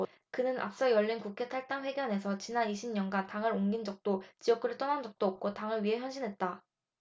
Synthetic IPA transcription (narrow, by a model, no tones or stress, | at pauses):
kɯnɯna̰p̚s͈ʌjʌʎːinkukʰe̞tʰaɭ̚t͈aŋɸwe̞ɡjʌne̞sʰʌt͡ɕinaniɕʰimɲʌnɡantaŋɯɾoŋɡind͡ʑʌk̚t͈ot͡ɕiʌk͈ʰɯɾɯɭt͈ʌnand͡ʑʌk̚t͈oːp̚k͈ʰotaŋɯɭɥiɦe̞çjʌnɕʰinɦe̞t̚t͈a